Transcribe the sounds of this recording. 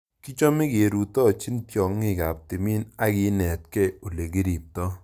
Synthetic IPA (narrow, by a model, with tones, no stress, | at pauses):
ki˦t͡ʃɔ˦mɪ˦ke˨ɾu˨tɔ˦˨t͡ʃi˦ntjɔ˨ŋːɪ˦˨ka˨p̚ti˨mi˦na˦kɪ˦nɛ˨t̚kɛ˦o˨le˨ki˦ɾi˨p̚tɔ˦